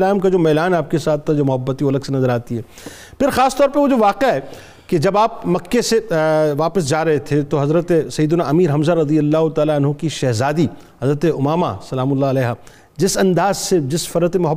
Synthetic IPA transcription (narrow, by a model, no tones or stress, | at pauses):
laːmkad͡ʒoːmɛːlaːnɦɛaːp̚kesaːt̪ʰːad͡ʒoːmʊɦɐbːət̪ioːɐləɡsenɐzəɾaːt̪iɦɛː | pʰɪɾxaːst̪ɔːɾpɐɾʋod͡ʒoʋaːqeaɦɛ | ked͡ʒɐbaːp̚mɐkːeseʋaːpəs̬d͡ʒaːɾɐɦet̪ʰet̪oɦɐzɾət̪esɐjːd̪ʊnaʔɐmiːɾɦɐ̃mzaɾɐd̪ijəlːaːɦʊt̪aːlaɐnɦokiʃɛɦzaːd̪i | hɐzɾət̪eʊmaːma̰sɐlaːmʊlːaɐlɛːɦaː | d͡ʒɪsɐ̃nd̪aːzsed͡ʒɪsfɐɾət̪emʊɦə